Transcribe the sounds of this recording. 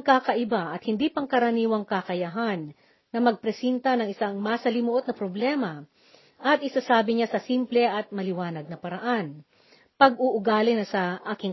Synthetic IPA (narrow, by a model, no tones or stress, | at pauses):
ŋkakɐʔɪbaʔɐt̪̚hɪnd̪iːpɐŋkɐɾɐniːwɐŋkakɐjɐɦanː | ɐmɐɡ̚pɾɛsɛnt̪ɐnɐŋɪsaŋmasɐlɪmʊʔot̪̚nɐpɾoblɛːmɐ | ʔɐt̪ʔɪsasaːbɪɲasɐsimplɛʔɐt̪̚mɐlɪwaːnɐɡ̚nɐpɐɾɐʔan | pɐɡʔʊʔʊɡaːlɪnɐsɐʔaːkɪŋ